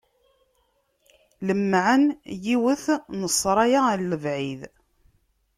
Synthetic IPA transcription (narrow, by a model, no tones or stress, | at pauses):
ləmːʕənjiwəθnəsˤːɾˤɑjaəlːəvʕið